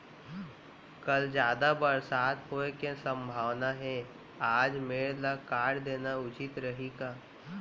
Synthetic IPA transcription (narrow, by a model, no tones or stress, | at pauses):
kəld͡ʒjaːd̪abəɾsaːt̪ɦoekẽsə̃mbʱaːʋnaɦɛ̃ | aːd͡ʒmeːɭlakaːɽd̪eːnaʊt͡ʃɪt̪ɾəɦiɡaː